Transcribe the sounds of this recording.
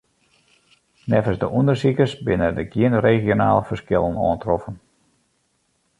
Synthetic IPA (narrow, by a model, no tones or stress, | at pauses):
nɛfəsdəʔundərsikəsbɪnədəɡjiənreːχjona̰ːləfərskɪlˠənɔ̰əntrɔfən